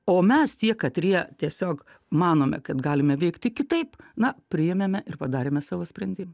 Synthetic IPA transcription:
oːmʲɛst̪ʲiɛkɐt̪ɾʲiɛt̪ʲiɛsʲoːk | mɑːnoːmʲɛ̰kɐt̪ɡɑːlʲɪmʲɛʋʲɛɪkt̪ʲɪkʲɪt̪ɐɪpnɐpʲɾʲɪjɛmʲɛmʲɛʔɪrpɐd̪ɑːɾʲeːmʲɛsɑːʋoːsʲpʲɾʲɛnʲd̪ʲɪmɐ

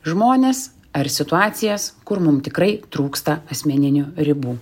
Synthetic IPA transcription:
ʒmoːnʲeːs | ɐɾsʲɪt̪ʊɑːt̪sʲɪjɛskʊɾmʊmt̪ʲɪkɾɐɪt̪ɾuːkst̪ɐɐsʲmʲɛnʲɪnʲuɾʲɪbuː

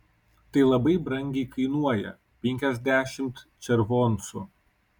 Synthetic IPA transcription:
t̪ɐɪlˠɐbɐɪbɾɐŋʲɡʲɛɪkɐɪnuɔjɛ̰ | pʲɛŋʲkʲɛzʲd̪ʲæːʃʲɪmt̪t͡ʃ̪ʲɛɾʋɔːnsʊ

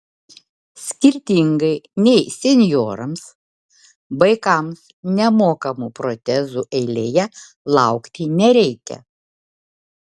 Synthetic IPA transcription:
sʲkʲɪɾʲt̪ʲiŋɡɐɪnʲɛɪsʲɛnʲjoːɾɐms | ʋɐɪkɐms | nʲɛmoːkɐmupɾot̪ʲɛzuːʔɛɪlʲeːjɛ | lˠɑˑʊkt̪ʲinʲɛɾʲɛɪkʲɛ̰

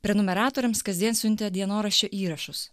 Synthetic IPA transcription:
pʲɾʲɛnʊmʲɛɾɑːt̪oːɾʲɪmskɐzʲd̪ʲiɛnsʲʊnʲt̪ʲed̪ʲiɛnoːɾɐʃʲt͡ʃʲoːʔiːɾɐʃʊs

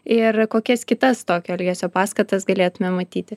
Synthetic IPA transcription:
ɪrkoːkʲɛskʲɪt̪ɐst̪oːkʲɛɛlʲɡʲɛsʲoːpɑːskɐt̪ɐsɡɐlʲeːt̪ʊmʲɛmɐt̪ʲiːt̪ʲɪ

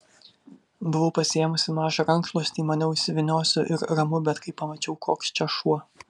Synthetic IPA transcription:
bʊʋɐʊpɐsʲɪjɛmʊsʲɪmɑːʒɐɾɐŋkʃlˠoːsʲt̪ʲiːmɐnʲɛʊɪsʲɪʋʲɪnʲoːsʲʊʔɪɾɾɐmʊbʲɛt̪kɐɪppːɐmɐt͡ʃʲɛʊkʰoːkst͡ʃʲɛʃuɔ

